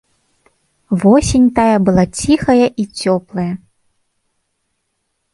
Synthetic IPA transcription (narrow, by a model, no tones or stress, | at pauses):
vɔsʲenʲt̪ajɐbɨlˠat͡sʲixɐjɐʔit͡sʲɔplˠɐjɐ